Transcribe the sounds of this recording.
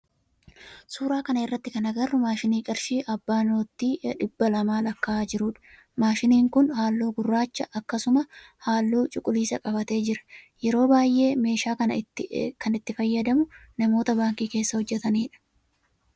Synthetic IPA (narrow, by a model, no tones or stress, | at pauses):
suːɾaːkɐnɐɪrːɐt̪ːɪkɐnɐɡɐrːʊmaːʃɪniːkʼɐɾʃiːʔɐbːaːnoːt̪ːiːᶑɪbːɐlɐmaːlɐkːaːd͡ʒɪɾuːᶑɐ̥ | maːʃɪniːŋkʊnhaːlːoːɡʊrːaːt͡ʃːɐʔɐkːɐsʊmɐhaːlːuːt͡ʃʼʊkʼʊliːsɐkʼɐbɐt̪e̞ːd͡ʒɪɾɐ̥jɛɾo̞ːbaːjʔe̞ːme̞ːʃaːkɐnɐkɐnɪt̪ːɪfɐjːɐd̪ɐmʊnɐmo̞ːt̪ɐbaːŋkiːke̞ːsːɐhɔd͡ʒːɛt̪ɐniːᶑɐ̥